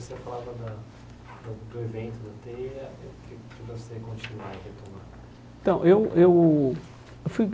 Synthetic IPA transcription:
osefalavɐd̪ɐ | d̪ɐd̪ʊevẽnt̪ʊd̪ɐt̪eɐewkɪkɪvosekõnt͡ʃinwa̰ɾɐhet̪onã | ẽt̪ɐ̃w̃ʔewew | fuj

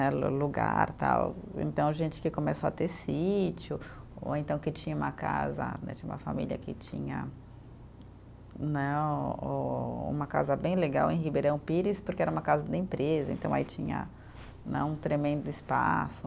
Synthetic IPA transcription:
nɛluɡaɾt̪a̰wḛ̃t̪ɐ̃w̃ʒẽnt͡ʃɪ̥kɪkõmesoɐt̪esit͡ʃjʊ | o̰ẽnt̪ɐ̃w̃kɪt͡ʃĩɲɐũmɐka̰zɐ̰nɛ̰t͡ʃĩɲũmɐfa̰milʲiɐ̰kɪt͡ʃĩɲɐ̰ | nɛoṵ̃mɐkazɐbẽj̃leɡawẽj̃ɦibeɾɐ̃w̃piɾispʊɾkɪɛɾɐũmɐkazɐd̪ɪẽpɾezɐẽnt̪ɐ̃w̃ait͡ʃĩɲɐ̰ | nɛ̰̃ũt̪ɾemẽnd̪ʊɪspasʊ

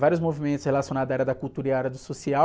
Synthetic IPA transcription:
vaɾiʊzmovimẽnt̪ʊshelasionad̪aɛɾɐd̪ɐkuwt̪uɾiɐɛɾɐd̪ʊsosia

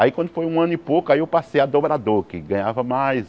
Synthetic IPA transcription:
aikwɐ̃nd̪ʊfojũɐ̃nʊɪpokʊaiewpasejad̪obɾad̪oɾkɪɡɐ̃ɲavɐmajs

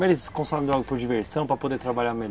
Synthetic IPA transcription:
elɪskõsɔbẽd̪ɔɡʊpʊɾd͡ʒiveɾsɐ̃w̃pɾɐpod̪eɾt̪ɾabaʎaɾme

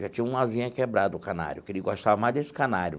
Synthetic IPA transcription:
ʒat͡ʃĩɲɐ̃ũazĩɲɐkebɾad̪ʊʊkana̰ɾjʊkɪɾiɐɡoʃt̪avɐmajzd̪esɪ̥kanaɾjʊ̰

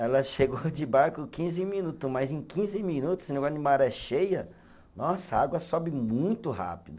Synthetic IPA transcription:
ɛlɐʃeɡod͡ʒɪbaɾkʊkĩzɪmĩnut̪ʊmajzẽj̃kĩzɪmĩnut̪ʊ̥snẽɡanɪ̃maɾɛʃejɐ | nɔsɐaɡwɐsɔbɪmũj̃t̪ʊɦa̰pid̪ʊ

